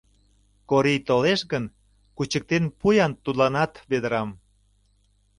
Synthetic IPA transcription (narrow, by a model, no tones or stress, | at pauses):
koɾijt̪oleʃɣən | kut͡ɕək̚t̪enpujɑnt̪ud̪lɑnɑt̪βed̪əɾɑm